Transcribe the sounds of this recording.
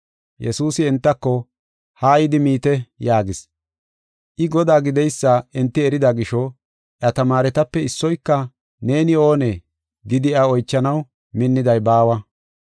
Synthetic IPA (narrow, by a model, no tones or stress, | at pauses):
jɛsuːsɪːnt̪ːɐkːɔ | haːjɪd̪ɪmiːt̪ɛjaːɡɪs | ʔɪɡɔd̪aːɡɪd̪ɛjsːaʔɪnt̪ːɪɛɾɪd̪ɐɡɪʃɔ | ʔjɐt̪ɐmaːɾɛt̪ɐpːɛɪsːɔjkːɐ | ne̞ːnɪo̞ːne | ɡ̪ɪd̪ɪɐɔjt͡ʃːɐnɐw | mɪnːɪd̪ɐjbaːwɐ